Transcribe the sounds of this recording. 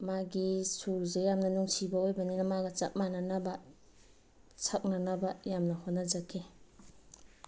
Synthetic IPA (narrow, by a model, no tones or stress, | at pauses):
maɡisulzejamnɐnuŋsibaojbɐninamaɡɐt͡ʃa̰k̚mananaba | sʰak̚nanabajamnɐhonːazakʰi